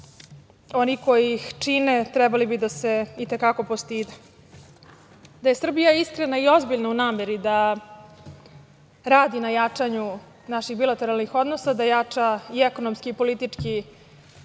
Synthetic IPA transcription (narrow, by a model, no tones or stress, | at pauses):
o̞niko̞jixt͡ʂinet̪ɾɛbalibid̪ase̞it̪ekako̞post̪iːd̪e | d̪aje̞sr̩bijaiskɾenaio̞zbiʎnaunaːmeɾid̪a | ɾaːd̪inajat͡ʂaɲu | naʃixbilˠat̪e̞ɾalˠnixo̞d̪nosad̪ajat͡ʂaieko̞nomskiːpo̞lit̪it͡ʂki